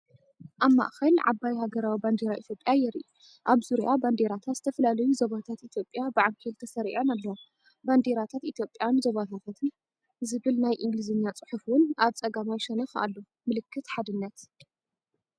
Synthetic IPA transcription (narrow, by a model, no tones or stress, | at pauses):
ʔaβma̰ʔxɐlʕa̰bajhaɡɐɾawiband̪eɾaʔit̪ʰjo̞pʼjajɛɾʔi | ʔaβzuɾiʔaband̪eɾat̪ʰat̪z̥ɨt̪ʰɐfɐlalɐjuzoβat̪ʰat̪ʔit̪ʰjo̞pʼːjabɨʕaŋkʰilt̪ʰɐsɐɾḭʕonalːɐwo | band̪eɾat̪ʰat̪ʔit̪ʰjo̞pʼjanzoβat̪ʰat̪ʰat̪ʰɨn | zɨβɨlnajʔɨŋɡlizɨnːjat͡sʼɨ̥ħufwʊnʔaβt͡sʼɐɡamajʃɛnɐxʔa̰lːo | mɨlɨkʰːɨt̪ħad̪ɨnːat̪